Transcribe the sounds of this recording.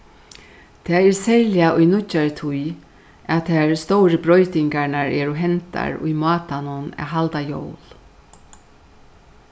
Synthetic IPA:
t̪ʰɛːɛɹsɛɾljaʔʊjnʊt͡ʃːaɹt̪ʰʊj | at̪ʰaːɹst̪owɾəbɾɔjt̪ɪŋkaɹnaɹɛːɾʊɦɛnt̪a̰ɹʊ̰jmɑːt̪anʊna̰ɦalt̪ajo̰wl

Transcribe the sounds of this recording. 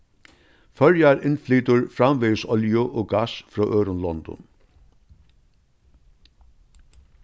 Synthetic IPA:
fœɹjaɾɪnfliːt̪ʊɹfɾamvɪːsɔljʊʔɔːɡasfɾɔːʔœːɾʊnlɔnt̪ʊ̰n

